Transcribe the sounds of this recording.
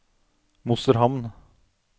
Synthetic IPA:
mʊsəɾɦɑmn

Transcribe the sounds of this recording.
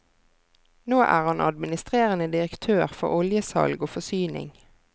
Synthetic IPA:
noːʔæ̰ːʁɑnʔɑ̰d̪mɪnɪst̪ʁeːʁənəd̪ɪʁəkt̪ʰøːʁfɔ̰ʁɔljəsɑ̰lɡoːfɔsyːnɪ̰ŋ

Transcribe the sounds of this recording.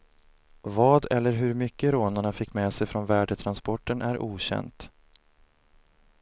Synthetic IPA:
vɑːd̪ɛlːəɾɦɵɾmʏkːəɾoːnaɳafɪkːmeːsɛjfɾɔnvæːɖət̪ʰɾanspɔʈːənʔæɾʔuːɕɛ̰nt̪

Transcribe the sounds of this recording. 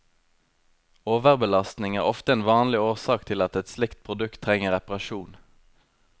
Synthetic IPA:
oːʋəʁbəlɑst̪nɪŋæːʁɔft̪əeːnʋɑːnlɪoːʁsɑːkt̪ʰɪlɑt̪ɛt̪slɪkt̪̚pʰʁʊd̪ʉkt̪ʰːʁɛŋəʁɛpɑʁɑʃuːn

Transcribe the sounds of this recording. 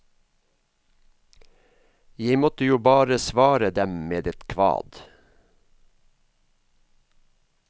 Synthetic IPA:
jeɪmɔt̪əjuːbɑːɾəsʋɑːɾəd̪ɛmmeːd̪ɛt̪kʰʋɑ̰ːd̪

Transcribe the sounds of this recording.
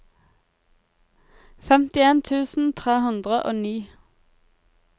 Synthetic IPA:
fɛmt̪ɪeːnt̪ʰʉːsn̩t̪ʰʁeːhʉnd̪ʁəʔo̰ːniː

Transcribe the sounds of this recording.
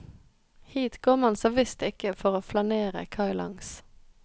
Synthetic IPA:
hiːt̪ɡ̥oːmɑnsɔːʋɪst̪ɪkəfɔʁoːflɑneːʁə̰kʰɑɪlɑ̰ŋs

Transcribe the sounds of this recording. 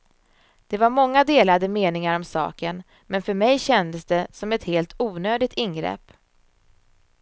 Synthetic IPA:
d̪̥ɛvaɾmɔŋːad̪eːlad̪əmeːnɪŋaɾɔmsɑ̰ːkən | mɛnfœɾmɛjɕɛnd̪əsd̪ɛsɔmɛt̪heːlt̪ʰuːnøːd̪ɪt̪ɪnɡɾɛ̰pː

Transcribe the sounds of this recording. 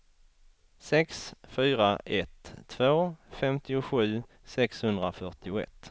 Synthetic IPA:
sɛksfyːɾaʔɛt̪ʰːvoːfɛmt̪ɪʊɧʉ̟ː | sɛkshɵnd̪ɾafœʈɪʊɛ̰t̪ː

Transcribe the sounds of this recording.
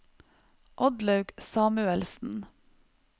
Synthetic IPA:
ʔɔd̪lɑʉɡsɑːmʉɛlsn̩

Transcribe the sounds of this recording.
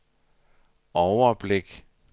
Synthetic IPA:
ɒʊɐb̥leɡ̥

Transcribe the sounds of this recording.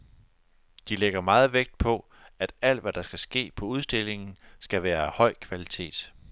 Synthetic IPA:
d̥ileɡ̥ɐmɑ̈ːð̞̩ˠʋeɡ̥̚d̥̚pʰɒ̽ | æd̥æl̰d̥ʋæd̥ɑ̈sɡ̥æsɡ̥e̝̰ːpʰɒ̽uð̞ˠsd̥e̝le̝ŋn̩sɡ̥æʋæːɐhɒ̽ɪ̰kʰʋælit͡sʰe̝̰ːd̥

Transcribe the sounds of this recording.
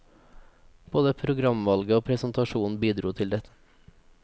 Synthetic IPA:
b̥oːd̪əpʰɾʊɡɾɑmʋɑlɡəoːpʰɾɛsnt̪ɑʃuːn̩biːd̪ɾuːt̪ʰɪld̪ɛt̪ʰə̥

